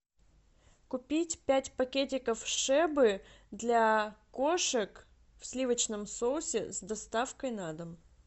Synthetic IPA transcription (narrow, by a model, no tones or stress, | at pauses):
kʊpʲitʲpʲætʲpɐkʲet̬ʲɪkəfʂɛbɨ | d̪lʲakoʂɨk | fsʲlʲivət͡ɕnəmsolˠsʲɪzd̪ɐst̪afkəjnad̪əm